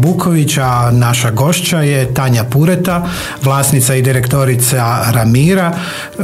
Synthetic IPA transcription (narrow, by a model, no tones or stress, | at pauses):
bukʰoʋit͡ɕanaʃaɡo̞ʃt͡ɕajet̪aːɲapuɾet̪a | ʋlˠaːsnit̪said̪iɾekt̪oɾit̪saɾamiːɾa